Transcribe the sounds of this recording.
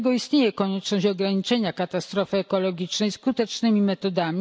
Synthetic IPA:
ɡɔist̪ɲejɛkɔɲɛt͡ʂnɔɕɔɡɾaɲit͡ʂɛɲakat̪ast̪ɾɔfɘɛkɔlɔɡʲit͡ʂnɛjskut̪ɛt͡ʂnɘmʲimɛt̪ɔd̪amʲi

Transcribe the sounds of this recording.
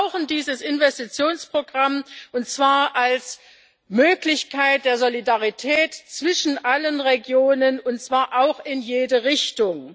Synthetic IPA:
ʊxn̩diːzəsɪnvɛstit͡sjoːnspʁ̥oɡʁamʔʊntt͡sv̥aːɐʔals | møːklɪçkʰaɪt̚d̥eːɐzolidaʁitʰɛːtt͡sv̥ɪʃn̩ʔalənʁeɡjoːnənʊntt͡sv̥aːɐʔaʊxɪnjeːdəʁɪçtʊŋ

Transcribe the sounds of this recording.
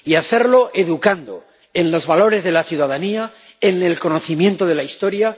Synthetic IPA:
iaθe̞ɾlo̞ʔe̞ðukand̪o̞̰ | e̞nlo̞zβalo̞ɾe̞zðe̞laθjuð̞aðania | ene̞lko̞no̞θimje̞nt̪o̞ð̞e̞laist̪o̞ɾja

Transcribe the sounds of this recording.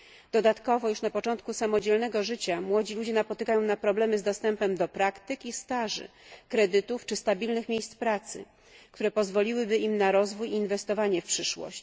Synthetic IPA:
d̪̥ɔd̪at̪kɔvɔjuʂnapɔt͡ʂɔnt̪̚kusamɔd͡ʑɛlnɛɡɔʐɘt͡ɕamwɔd͡ʑilud͡ʑɛnapɔt̪ɘkajɔ̃w̃napɾɔblɛmɘzd̪ɔst̪ɛmpɛmd̪ɔpɾakt̪ɘkʲist̪aʐɘ̰kɾɛd̪ɘt̪uft͡ʂɘst̪abʲilnɘxmʲejst̪pɾat̪sɘ̰ | k̚t̪uɾɛpɔzvɔlʲiwɘbɘimnaɾɔzvujiːnvɛst̪ɔvaɲɛfpʂɘʂwɔ̰ɕt͡ɕ

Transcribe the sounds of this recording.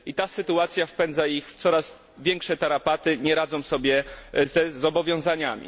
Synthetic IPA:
it̪asɘt̪uat̪sʲjafpɛnd̪zaixft̪sɔɾaz | vʲjɛŋkʂɛt̪aɾapat̪ɘɲɛɾad̪zɔ̃w̃sɔbʲjɛzɛzɔbɔvʲjɔ̃w̃zaɲamʲḭ

